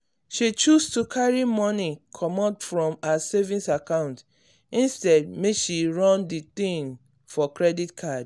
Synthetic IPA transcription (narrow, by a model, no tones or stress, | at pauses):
ʃit͡ʃustukʰaɹimɔ̃nikʰɔmɔtfɹɔ̃masevĩnsakãʊ̃nt | ĩnstɛd̚mekʃiɹɔ̃ndit̪ĩŋ | fɔkɹɛditkʰad